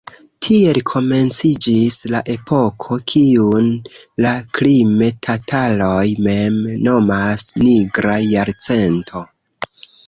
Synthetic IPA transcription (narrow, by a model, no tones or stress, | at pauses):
tʰie̞lkʰo̞me̞nt͡sid͡ʒislaʔe̞pʰo̞kʰo̞kʰiunlaklime̞tʰatʰalo̞jme̞mno̞masniɡɾajaɾt͡se̞ntʰo̞